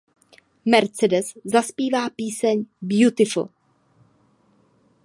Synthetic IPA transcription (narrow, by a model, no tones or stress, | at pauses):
mɛɾt͡sɛdɛszaspiːvaːpiːsɛɲbjut̪ɪfl̩̰